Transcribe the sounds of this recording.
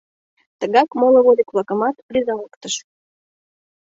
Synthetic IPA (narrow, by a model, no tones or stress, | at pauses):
t̪əɣɑkmolˠə̆βolʲiklɑkəmɑt̪pɾʲizɑləkt̪əʃ